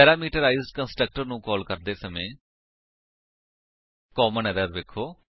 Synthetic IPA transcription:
ɛːɾaːmiːʈəɾaːizɖkənsʈɾək̚ʈəɾnũːkɔːlkəɾd̪eːsəmẽː | kɔːmənɛɾəɾʋeːkʰːoː

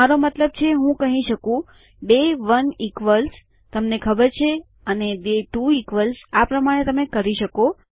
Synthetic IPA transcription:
aɾomət̪ləb̚t͡ʃʰeɦũkəɦĩʃəkũ | beʋənikʋəls | t̪əmnekʰəbəɾt͡ʃʰe | ənebeʈuikʋəlsapɾəmaɽ̃et̪əmekəɾiʃəko

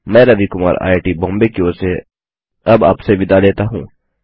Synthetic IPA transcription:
mɛ̃ːɾɐʋikʊma̰ːɾa̰ːjʈibɔ̃ːmbekioːse | ɐba̰ːpseʋɪd̪aleːt̪aɦṵ̃ː

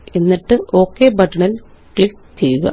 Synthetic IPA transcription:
enːiʈːɨo̞ːkːebɐʈːɐɳɐl | kɭik | t͡ɕejuɣɐ̰

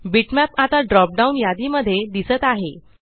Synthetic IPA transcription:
biʈmæpat̪aɖɾɔp̚ɖaunjad̪iməd̪ʱːjed̪isət̪aɦe

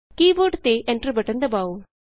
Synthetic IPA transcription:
kiːʋoːɖt̪eːʔeɳʈɾɐbɐʈɐnd̪ɐbaːu

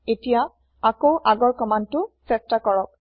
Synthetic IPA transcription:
etija | akoʔaɡɔɹkɔmantʊsɛstakɔɹɔk̚

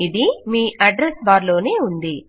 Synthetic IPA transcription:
id̪imiːʔɐɖɾesbaːɾlo̞ːneːund̪i

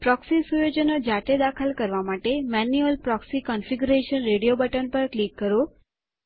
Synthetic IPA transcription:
pɾɔksisujod͡ʒənod͡ʒaʈed̪akʰəlkəɾʋamaʈemɛnuəlpɾɔksikɔnfiɡuɾeʃənɾeɽijobəʈənpəɾklikːəɾo

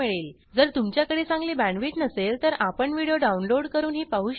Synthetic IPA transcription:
eɭiːl | d͡zəɾt̪umt͡ɕjakəɽeːt͡sãŋɡliːbæɳʋiːʈnəselt̪əɾapəɳʋiɽijoɖaunloɽkəɾuːnɦiːpaɦuːɕ

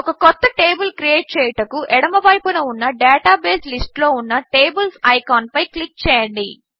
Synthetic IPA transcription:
ɔkɐkɔt̪ːɐʈeːbɐlkɾijeːʈ̚t͡ʃɛːjɐʈɐkuʔɛɽɐmɐbɐjpunɐunːɐɖeːʈaːbeːslisʈlo̞ːunːɐʈeːbɐlsɐjkaːnpɐjklik̚t͡ʃɛːjɐɳɖi

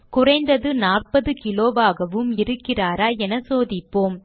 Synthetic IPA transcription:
kʊrɐɪnd̪ɐðɯnaːrpɐðɯkɪloːʋaːɣɐʋɯmɪɾɯkːɪraːɾaːɛnɐsoːðɪpːoːm

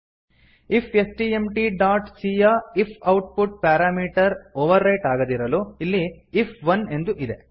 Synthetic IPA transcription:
ipʰesʈiemʈiɖaːʈsiːjaipʰɐwʈ̚puʈ̚paːɾaːmiːʈɐɾoːʋɐɾːɐjʈaːɡɐd̪iɾɐluilːiːpʰʋɐne̞nd̪uʔid̪e̞

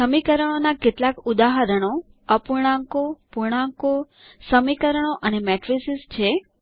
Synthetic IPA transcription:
səmikəɾəɳ̃onaketlakud̪aɦaɾəɽ̃o | əpuɾɽ̃ãŋkopuɾɳ̃ãŋko | səmikəɾəɳ̃oʔənemɛʈɾisist͡ʃʰe

